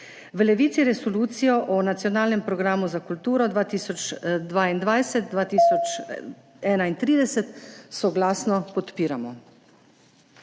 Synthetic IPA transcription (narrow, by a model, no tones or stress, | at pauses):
ʋəlɛʋiːt̪siɾɛsɔluːt̪sijɔʔɔnat̪sijɔnaːlnɛmpɾɔɡɾaːmuzakult̪uːɾɔd̪ʋaːt̪iːsɔt͡ʃd̪ʋaːind̪ʋajsɛt̪̚dʋaːt̪iːsɔt͡ʃ | ɛːnaint̪ɾiːd̪ɛsɛt̪sɔɡlaːsnɔpɔt̪piːɾamɔ